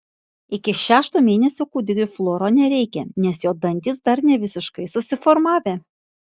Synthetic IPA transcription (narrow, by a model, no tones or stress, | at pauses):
ɪkʲɪʃʲæːʃt̪uːmʲeːnʲɛsʲukuːd̪ʲɪɡʲʊflˠoːɾoːnʲɛɾʲɛɪkʲɛnʲɛsjoːd̪ɐnʲt̪ʲɪs̬d̪ɐɾnʲɛʋʲɪsʲɪʃkɐɪsʊsʲɪfɔɾmɑːʋʲeː